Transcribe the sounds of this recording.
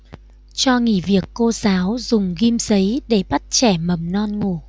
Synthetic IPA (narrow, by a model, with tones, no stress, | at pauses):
t͡ɕɔ˧ŋḭ˧˩vi˨˩əkːo˧zaː˨˦wzʊ˨˩ŋ͡mɣi˧mz̥ə˨˦jɗe˧˩ɓa˦˥t̚t͡ɕɛ˧˩mə˨˩mnɔ˧nŋu˧˩